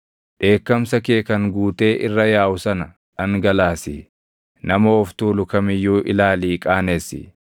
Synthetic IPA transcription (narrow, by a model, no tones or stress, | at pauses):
ᶑe̞ːkːɐmsɐkeːkɐŋɡuːt̪e̞ːʔɪrːɐjaːʔʊsɐnɐ | ʔɐŋɡɐlaːsḭː | nɐmɐɔft̪uːlʊkɐmɪjːuːʔɪlaːliːkʼaːnesɪ̰